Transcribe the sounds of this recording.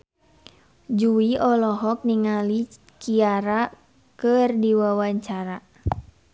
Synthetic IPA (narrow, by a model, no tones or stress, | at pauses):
d͡ʒuiɔlɔɦɔk̚niŋali | kiaɾa | kɨrdiwawaɲt͡ʃaɾa